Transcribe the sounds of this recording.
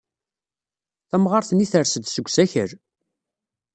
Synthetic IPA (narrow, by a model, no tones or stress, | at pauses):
θæmʁɑɾθəniθəɾsəd̪səɡʷːsæçəɾ